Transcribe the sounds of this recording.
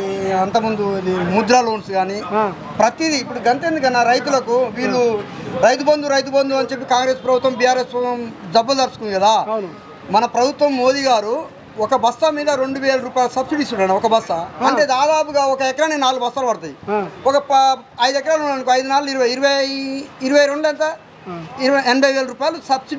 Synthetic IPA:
ɐnt̪ɐmund̪uɐd̪imud̪ɾaːlo̞ːnsɡaːni | pɾɐt̪id̪iːpːuɽuɡɐnt̪end̪uk̬ɐnːaɾɐjt̪̬ulɐkuʋiːɭːuɾɐjt̪ubɐnd̪uɾɐjt̪̬ubɐnd̪uɐnt͡ʃep̬ːikaːŋɡɾe̞ːspɾɐbut̪ʋɐmbijaːɾeːsmd͡ʒɐbːɐld̪ɐɾɐsu̥kund̪iɡɐd̪aː | mɐnɐpɾɐbʱut̪ʋɐmːo̞ːd̪iɡaːɾu | ɔkɐbɐst̪ɐmiːd̪ɐɾoɳɖuʋeːlɐɾuːpaːjlusɐbsiɖist̪uʈɐɳaɔkɐbɐst̪ɐɐɳʈe̞ːd̪aːd̪aːpuɡaːɔkɐɛkɐɾaːnenaːlːubʱɐst̪aːlbɐɽɐt̪aːjiɔkɐpɐjd̪ɛk̬ːɐɾaːlunːanikoɐjd̪unaːlːuiɾuʋɐjiɾuʋɐ | iɾuʋɐjɾo̞ɳɖɛnt̪ɐ | ɛnɐbʱɐjʋeːlɐɾuːpaːjɐlusɐbsi

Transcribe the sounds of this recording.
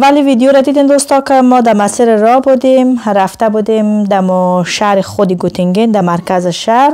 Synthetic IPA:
valivid̪ijoɾad̪id̪imd̪ost̪ɔkɪmɔd̪amasiɾɾɔbud̪emɾaft̪abud̪emd̪amʊʃaɾɪxʊd̪iɡut̪ʰiŋɡind̪amaɾkazɪʃaɾ

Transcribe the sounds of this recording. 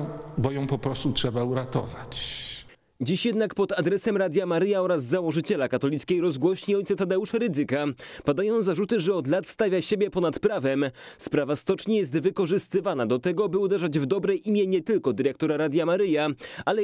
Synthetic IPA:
bɔjɔ̃w̃pɔpɾɔst̪utʂɛbauɾat̪ɔ̰vat͡ɕ | d͡ʑiɕjɛd̪nakpɔt̪ad̪ɾɛsɛmɾad̪ʲjamaɾɘjaɔɾazzawɔʐɘt͡ɕɛlakat̪ɔlʲit̪skʲejɾɔzɡwɔɕɲiɔjt̪sɛt̪ad̪ɛuʂɛɾɘd̪zɘkapad̪ajɔ̃w̃zaʐut̪ɘʐɛɔd̪lat̪st̪avʲjaɕebʲjɛpɔnat̪pɾavɛmspɾavast̪ɔt͡ʂɲijɛs̬t̪vɘkɔʐɘst̪ɘvanad̪ɔt̪ɛɡɔbɘud̪ɛʐad͡ʑvd̪ɔbɾɛjʔimʲjɛɲɛt̪ɘlkɔd̪ɘɾɛk̚t̪ɔɾaɾad̪ʲjamaɾɘjaalɛ

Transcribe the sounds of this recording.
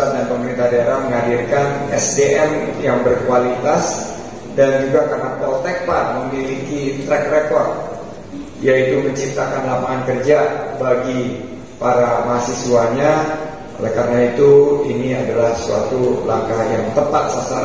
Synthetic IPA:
adanpəməɾint̪ahdaaɾaməŋadirkanɛsdeʔɛmjaŋbərkualit̪as | dand͡ʒuɡakərnapɔlt̪ɛk̚par̚məmilikit̪ɾɛk̚rekɔrt̪̚ | jait̪uməɲt͡ʃip̚t̪akanlapaŋankərd͡ʒabaɡi | paɾamaɦasisuaɲa | o̰lɛhkarnait̪uiniadalahsua̰t̪ulaŋkahjaŋt̪əpat̪̚sasa

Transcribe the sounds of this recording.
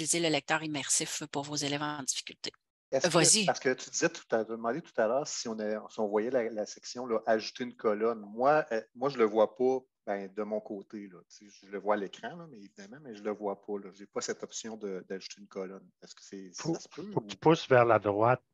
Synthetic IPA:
ilizeləlɛk̚t̪œːʁimɛʁsɪfpuʁvozelɛvɑ̃d̪ifi̥kʲylt̪e | ɛsvwazipaʁskət̪yd̪izɛt̪u̥t̪at̪ad̪əmɑ̃d̪et̪u̥t̪alœːʁsiɔ̃naɔ̃siɔ̃vwajɛlalasɛksjɔ̃lɔʔaʒut̪eynkɔlɔnmwaɛmwaʒələvwapɔ | bɛ̃d̪əmɔ̃koːt̪elɔt͡seʒʒələvwaːlekʁɑ̃lɔmɛevid̪amɑ̃mɛʒələvwapʰɔlɔʒepɔsɛt̪ɔpsjɔ̃d̪əd̪aʒu̥t̪eynkɔlɔnɛskə̥sɛfasə̥pøfok̚ət̪y̥pʊsvɛʁlad̪ʁwat̪̚

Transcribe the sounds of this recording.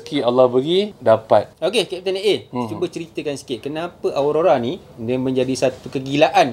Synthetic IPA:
kialːɔhbəɡidapat̪̚okekat̪anəʔet͡ʃubət͡ʃəɾit̪əkansi̥kɪt̪̚kənãpəʔawɾoɾanĩ | damə̃ɲd͡ʒadisat̪ukəɡilaʔan

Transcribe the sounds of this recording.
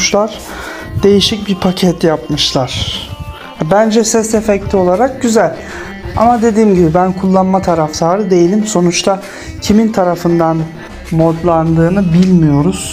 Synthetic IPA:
ʃlˠaɾ̥ | d̪e̞jiʃic̚biɾpʰacʰɛt̪ʰjap̚mɯʃlˠaɾ̥ | bænd͡ʒɛsɛsefɛct̪ʰio̞lˠaɾak̚ɟyzælʲ | a̰mad̪e̞d̪iːmɟibibænkʰulˠːanmat̪ʰaɾaft̪ʰaːɾɯd̪e̞jilʲimso̞nut͡ʃt̪ʰa | cʰimint̪ʰaɾafɯnd̪an | mod̪lˠand̪ɯːnɯbilʲmijo̞ɾuz̥

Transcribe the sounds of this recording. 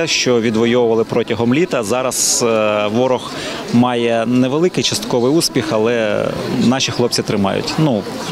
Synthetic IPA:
ʃt͡ʃɔʋʲid̪ʋɔjɔwʊʋɐlˠɪpɾɔtʲɐɦɔmlʲit̪ɐzɑɾɐsʋɔɾɔx | mɑjɛnɛʋelˠɪkɪjt͡ʃɐst̪kɔʋɪjuspʲixɐlˠɛ̰nɑʃʲixlˠɔp̚t͡sʲsʲit̪ɾɪmɑ̰jʊ̰tʲnu

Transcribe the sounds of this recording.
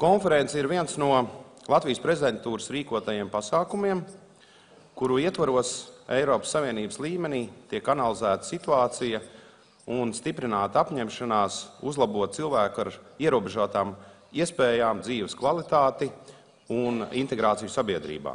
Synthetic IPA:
kɔnfɛɾent̪siɾviɛnsnuɔlˠat̪vijspɾezʲd̪ent̪uːɾəsɾiːkuɔt̪ajiɛmpasaːkumiɛm | kuɾuiɛt̪vaɾuɔsejɾɔːpə̥sːaviɛniːbəslˠiːmɛniːt̪iɛkanalˠizæːt̪ə̥sit̪uaːt̪sijə | unst̪ipɾinaːt̪apɲɛmʃanaːsuzlˠabuɔt̪̚t̪silˠvæːkaɾiɛɾuɔbeʒuɔt̪aːm | iɛəspɛːjaːmd̪ziːʋəskvalˠit̪aːt̪i | unint̪eɡɾaːt̪sijusabiɛd̪ɾḭːba̰ː

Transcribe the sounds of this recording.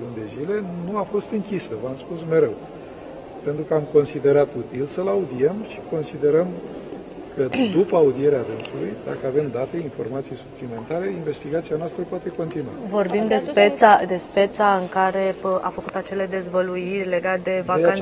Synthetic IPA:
lund̪e̞zile̞nuafo̞st̪ɨŋkʲisəvəamspusme̞ɾe̞w | pe̞nt̪ɾukəamko̞nsid̪e̞ɾat̪ut̪ilsəlaud̪ie̞mʃi̥ko̞nsid̪e̞ɾəm | kəd̪upəaud̪ie̞ɾead̪ɨnsulujd̪a̰kəave̞md̪at̪e̞info̞̰rmat̪sijsuplime̞nt̪aɾe̞inve̞st̪iɡat̪sianoast̪ɾəpoat̪e̞ko̞nt̪inua̰vo̞rbimd̪espet̪sad̪e̞spe̞t̪saɨŋkaɾe̞a̰fəkut̪at͡ʃe̞le̞d̪e̞zvəluirʲle̞ɡat̪d̪e̞vaka

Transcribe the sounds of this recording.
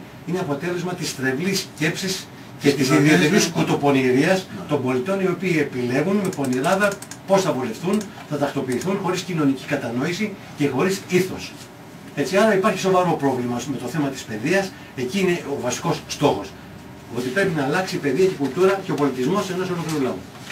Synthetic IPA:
ineɐpo̞t̪e̞le̞zmɐt̪ist̪ɾe̞vlisce̞psis | cet̪isiðieeɾiskut̪o̞po̞niɾiɐst̪o̞mbo̞lit̪o̞nio̞piːe̞pile̞ɣunmepo̞niɾɐðɐpo̞sθɐvule̞fθun | θɐt̪ɐkt̪o̞piːθunxo̞ɾiscino̞nici̥kɐt̪ɐno̞isi | ce̞xo̞ɾisiθo̞s | e̞t͡siɐɾɐipɐɾçi̥so̞vɐɾo̞pɾo̞vlimɐme̞t̪o̞θe̞mɐt̪i̥spe̞ðiɐs | e̞ciːne̞ovɐsi̥ko̞sst̪o̞xo̞s | o̞t̪ipɾe̞pinɐːlɐksipe̞ðiɐce̞kult̪uɾɐceopo̞lit̪izmo̞senɐsolopɾeulɐu

